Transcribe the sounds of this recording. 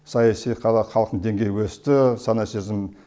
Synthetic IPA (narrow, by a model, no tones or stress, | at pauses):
sɑjɑsijqʰɑlˠɑχɑlˠəq̪əd̪e̞ŋɡʲe̞jwɵst̪ɪsɑnɑsizɪm